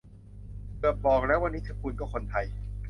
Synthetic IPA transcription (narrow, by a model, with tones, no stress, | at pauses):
bɯ˨˩əp̚bɔː˨˩k̚lɛː˦˥wa˧nːiː˦˥t̪ʰɯ˦˥˩kʰu˧nkɔː˥˩kʰo˧nt̪ʰa˧j